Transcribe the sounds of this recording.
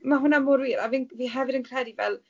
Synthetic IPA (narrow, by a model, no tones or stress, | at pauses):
maɦʊnamʊɾwiːɾavinviːɦɛvɨɾənkʰr̥ɛdivɛlˠ